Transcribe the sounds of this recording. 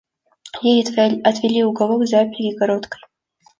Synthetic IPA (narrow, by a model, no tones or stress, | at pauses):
jejɐt̪vʲɪlʲiʊɡɐlˠɔwzʲapʲiɡʲikɐɾɔt̪kə̥j